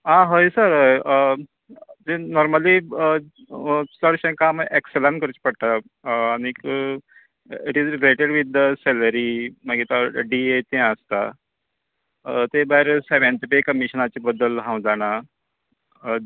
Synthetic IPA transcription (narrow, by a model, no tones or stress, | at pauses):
ãɦojsəɾə | d͡zenɔɾməli | səɽɕẽkamekselankəɾut͡ɕpəɽt̪aː | ñik | iʈizɾileʈeɽʋid̪ːəsɛləɾimaɡet̪aɖiet̪ẽəst̪a | t̪ebaɦiɾseʋẽɳʈipekəmiɕənat͡ɕebəd̪ːəlɦãw̃d͡zaɽ̃a